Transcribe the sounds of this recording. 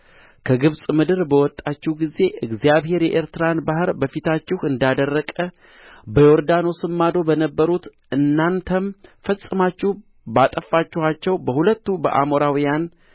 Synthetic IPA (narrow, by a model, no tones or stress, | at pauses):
kʰəɡɨβsʼmɨd̪ɨɾbəwɔt̪ʼːat͡ʃːɪhɡize̞ʔɨɡzijaβhe̞ɾjɛʔeɾt̪ɨɾanbaɦɨɾbəfit̪ʰat͡ʃːɪhɨnd̪ad̪ərːəkʼə | bəjoɾd̪ano̞sɨmːad̪o̞bənəbːəɾut̪ | ɨnːant̪ʰəmfəsʼːɨmat͡ʃːɪh | bat̪ʼəfːat͡ʃːɪhat͡ʃːɛwbəhulət̪ːubə̰ʔa̰moɾawijan